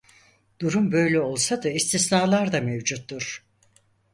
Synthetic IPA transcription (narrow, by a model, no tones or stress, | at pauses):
d̪̥uɾumbø̞jlʲɛo̞lˠsad̪aist̪ʰisnaːlˠaɾd̪amevd͡ʒut̪ːuɾ̥